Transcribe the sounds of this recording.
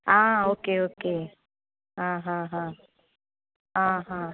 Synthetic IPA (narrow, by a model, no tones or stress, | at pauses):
ãoːkeoːke | ɦãɦãɦã | ɦãɦã